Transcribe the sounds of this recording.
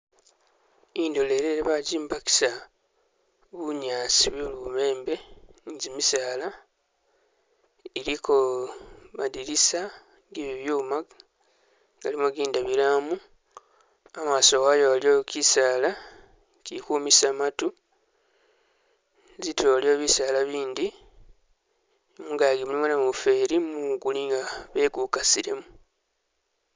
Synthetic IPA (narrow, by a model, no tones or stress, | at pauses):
indo̞le̞ɾeɾeβaɟiːmbaki̥sa | βuɲaːsiβuluβume̞ːmbe̞zimisaːla | iliko | madiɾisa | ɡiβiβjuːma | ɡalimoɡiːndaβiɾamu | amasowajoβaliokisaːla | cikuːmisamatu | zitʰo̞loβisaːlaβiːnd̪i | muːŋɡaɡimulimonamufe̞ɾimuɡuliŋɡaβe̞ɡukasiɾe̞mu